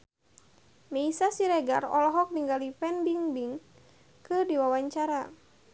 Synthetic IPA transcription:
meisasiɾɛɡarɔ̰lɔɦɔk̚niŋɡalipɛndiŋbiŋ | kɨdiwawaɲt͡ʃaɾa

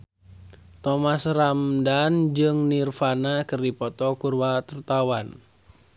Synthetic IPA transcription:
t̪ɔmasramdand͡ʒɨŋnirfanakɨrdipɔt̪ɔkurwat̪urt̪awan

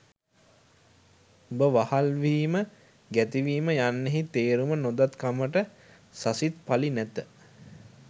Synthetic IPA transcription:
ubəʋahalʋiːmə | ɡæt̪iʋiːməjanːeɦit̪eːɾumənod̪at̪kaməʈə | sasit̪̚palinæt̪ə

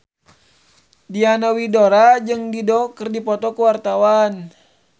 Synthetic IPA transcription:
dianawidoɾad͡ʒɨŋdidɔkərdipɔt̪ɔkəwart̪awan

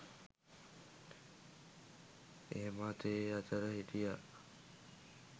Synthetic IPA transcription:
ḛɦemaːt̪eat̪əɾəɦiʈija

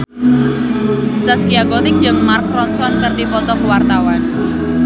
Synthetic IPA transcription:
saskiaɡɔt̪ɪŋ̚d͡ʒɨŋmarkɾɔnsɔnkərdipɔt̪ɔkəwart̪awan

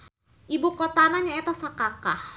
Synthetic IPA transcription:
ʔibukot̪anaɲaɛt̪asakakah

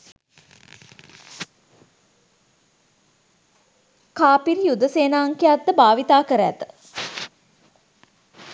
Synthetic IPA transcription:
kaːpiɾijud̪əseːnaːŋkejat̪ːəbaːʋit̪aːkəɾəæ̰t̪ə

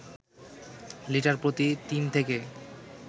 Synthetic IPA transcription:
liʈaɾpɾot̪it̪int̪ʰeke

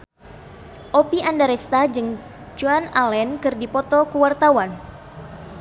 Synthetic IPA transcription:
ʔopiʔandaɾɛst̪ad͡ʒɨŋ | d͡ʒuanalɛnkɨrdipɔt̪ɔkəwart̪awan

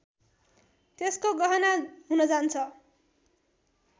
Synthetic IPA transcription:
t̪eskoɡʌɦʌnaɦunʌd͡zant͡sʰʌ

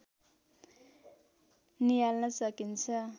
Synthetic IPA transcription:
nijalnʌsʌkint͡sʰʌ

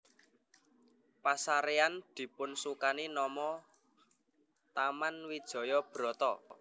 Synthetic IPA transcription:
pasaɾeand̪̥i̤pʊnsukaninɔmɔ | t̪amanwid̥ʒ̥ɔ̤jɔb̥ɾɔ̤t̪ɔ

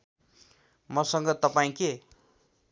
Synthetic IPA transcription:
mʌsʌŋɡʌt̪ʌpaĩke

